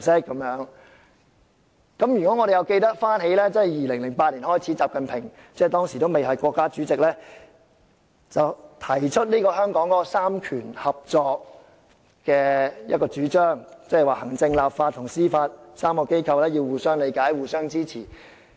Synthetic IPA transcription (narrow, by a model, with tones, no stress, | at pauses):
sɪ˥kːɐ˨˦mjœː˨˥ŋ | kɐ˨˥mjy˨˩kʷɔ˨˥ŋɔː˨˧ɾe˨jɐ˨˧wke˧jt̪ɐ˥k̚faː˥nhe˨˥jlɛː˥t͡sɐ˥nhɐ˨jiː˨lɪ˨˩ŋlɪ˨˩ŋpaː˧t̚liː˨˩nhɔː˥˩jt͡sʰi˨˥t͡saː˨p̚kɐ˨npʰɪ˨˩ŋ | t͡sɛ˥˩t̪ɔː˥ŋsi˨˩t̪o˥wme˨jɦɐ˨˩jkʷɔː˧kːaː˥t͡syː˨˥t͡sɪ˨k̚lɛː˥ | t͡sɐ˨wt̪ʰɐ˨˩jt͡ʃʰɵ˥t̚liː˥kɔː˧hœː˥ŋkɔː˨˥ŋkɔː˨˥ɔ˧saː˥mkʰyː˨˩nhɐ˨p̚t͡sɔː˧k̚ | kɛː˧jɐ̰˥t̚kɔː˧t͡syː˨˥t͡ʃœː˥ŋt͡sɐ˥˨jwaː˨˩hɐ˨˩ŋt͡sɪ˧ŋlaː˨pfaː˧t̪ʰʊ˨˩ŋsiː˥faː˧t̚saː˥mkɔː˧ke˥jkʰɐ˧wlɛː˥ji˧wwuː˨sœː˥ŋle˨˧jkaː˨˥jwuː˨sœː˥ŋt͡siː˥t͡sʰiː˨˩